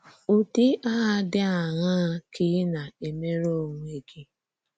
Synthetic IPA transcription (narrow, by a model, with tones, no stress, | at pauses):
o˨ti˦ʔa˦ɦa˦dɪ˦a˨ɣa˦kʰi˦na˨e˨me˦ɾo˦˨ŋu˦e˦ɡe˦